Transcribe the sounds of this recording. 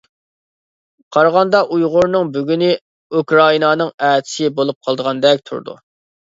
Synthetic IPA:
qʰɑɾʁɑnd̪ɑʔujʁʊɾnɨŋbyɡʲynɪ | ukɾɑinɑnɨŋæːt̪ʰɪ̥sɪbolˠup̚qʰɑlˠd̪əʁɑnd̪ɛk̚ʲt̪ʰṵɾd̪ṵ

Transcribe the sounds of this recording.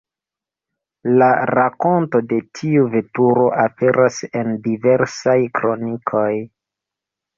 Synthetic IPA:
laɾako̞nto̞de̞tʰiuve̞tuɾo̞ʔape̞ɾʔase̞ndiveɾsajkɾo̞nikʰo̞j

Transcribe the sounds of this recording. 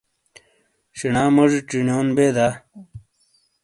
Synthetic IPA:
ɕinaːmɐʐʈ͡ʂinjoːnbeːd̪aː

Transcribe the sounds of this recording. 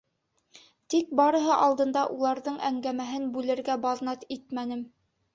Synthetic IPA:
t̪ik̚bɑɾɤ̆ɦɤʔɑlˠd̪ɤ̆nd̪ɑʔulˠɑɾðɤɴʔæŋɡæmæɦɘnbʉlɘ̆ɾɡæbɑðnɑt̪it̪mænɘm

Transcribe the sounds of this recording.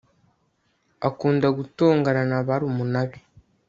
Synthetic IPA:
akuːndaɡuto̞ːŋɡananaβaɾumunaβi

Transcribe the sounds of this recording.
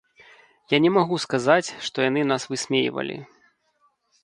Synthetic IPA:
janʲɛmaɣuskazat͡sʲʂt̪ɔjan̪ɨnasvɨsʲmʲejḭvɐ̰lʲḭ

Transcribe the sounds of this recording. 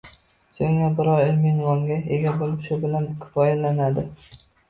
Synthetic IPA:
soŋabɪɾɒɾelmɪnvɒŋɡʲaeɡʲabolɪpʃʊbɪlankʲʰɪ̥fɒjalanad̪ɪ

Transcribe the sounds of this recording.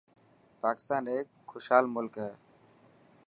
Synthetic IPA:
paːkɪ̥st̪aːneːk | xoʃhaːlmʊlkɦɛː

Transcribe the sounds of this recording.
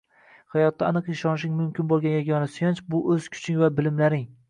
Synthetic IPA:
hajɒt̪ːaːnɨqɪʃɒnʃ̬ɪŋʲmʊmkʲɪnbolˠɡʲanjaɡʲɒnasʊjɒnt͡ʃbʊʔɵz̥kʲʰʊ̥t͡ʃʰɪŋvabɪlɪmlaɾɪŋ

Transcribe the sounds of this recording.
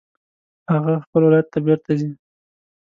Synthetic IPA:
haɣaxpəlwɪlajat̪ːabɪɾt̪azi

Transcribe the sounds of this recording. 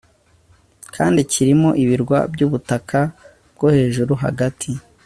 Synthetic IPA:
kʰaːndicʰiɾimo̞ʔiβiɾɡwa̰bɟuːβutakʰa | b̚ɡ̥ohe̞ːʒuɾuɦa̰ɡatʰi

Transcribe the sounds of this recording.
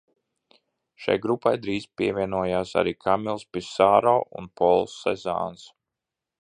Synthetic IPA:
ʃa̰jɡɾupajd̪ɾiːspiɛvʲiɛnuɔjaːsa̰ɾiːkʰamilˠspisaːɾɔːʔṵnpɔlˠsːɛ̰za̰ːns

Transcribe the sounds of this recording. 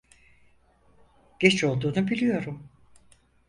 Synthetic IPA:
ɟ̥et͡ʃo̞lˠd̪uːnubilʲijo̞ɾum

